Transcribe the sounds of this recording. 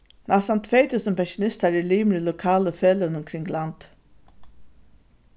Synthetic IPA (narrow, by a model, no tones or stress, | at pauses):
nʔasant̪ʰveːt̪ʰuːsənpʰɛnʃɔnɪst̪aɾɪliːmɾɪlɔkʰaːləfeːlənʊmkʰɾɪŋɡlant̪